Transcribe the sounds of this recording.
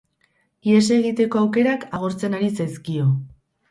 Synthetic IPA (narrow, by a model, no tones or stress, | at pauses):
ies̬e̞ɣit̪e̞ko̞awke̞ɾakaɣ̞o̞ɾt͡se̞naɾisajskio̞